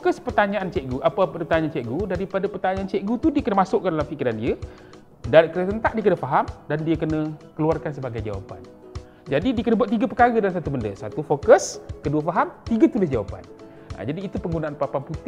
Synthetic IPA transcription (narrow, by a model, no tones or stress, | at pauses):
kəspərt̪aɲaʔant͡ʃɛʔɡuʔapapat̪aɲant͡ʃɛʔɡudaɾipadapərt̪aɲaant͡ʃɛʔɡut̪udiəkənəmasʊʔkːəndalamfikiɾandiə | dakəɾət̪ənt̪aʔ̚diəkənəfaɦamdandiəkənəkəluarkans̬əbaɡajd͡ʒa̰wa̰pa̰n | d͡ʒadidiəkənəbuat̪̬iɡapəkaɣədalansat̪ubəndə̰sat̪ufokəskəduəfaɦamt̪iɡət̪ulɪsd͡ʒawa̰pa̰n | a̰d͡ʒadiːt̪upəŋɡunaʔanpapaŋput̪